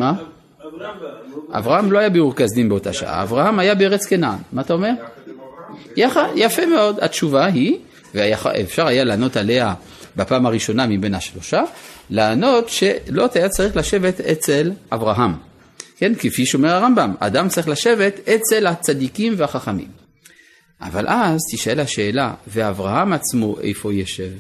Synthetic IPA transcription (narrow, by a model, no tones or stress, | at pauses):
ma | ʔa̰vʁahamlo̞ajabeuʁkazimbeota̰ʃa̰ʔa̰ːvʁaɦamajabeeʁet͡skenaanmaːt̪ao̞me̞ʁ | jaχajafe̞me̞o̞dha̰tʃuvaɦi | veajaχo̰ḛfʃaʁajalaːno̞tale̞a | bapaːmaʁiʃo̞namibe̞nhaʃlo̞ʃalaːno̞t̪ʃe̞lot̪ajat͡saʁiχlaʃe̞ve̞t̪et͡se̞lavʁaɦam | ke̞nkefiʃo̞meʁaʁambama̰damt͡saʁiχlaʃe̞ve̞t̪et͡se̞lhat͡sad̪ikimvehaχaχamḭm | ʔa̰va̰lʔazt̪iʃae̞lhaʃe̞ːlaveavʁahamat͡smo̞ʔḛjfo̞jeʃev